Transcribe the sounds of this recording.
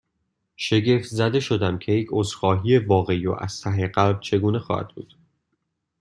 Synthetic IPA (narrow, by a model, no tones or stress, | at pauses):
ʃe̞ɟeft̪zæd̪e̞ʃo̞d̪æmcʰe̞jecʰozxɒːɦije̞vɒːɣe̞io̰ʔæ̰z̥t̪ʰæɦeɢælbt͡ʃʰe̞ɡuːne̞xɒ̰ːhæ̰d̪̥̚bṵːd̪̥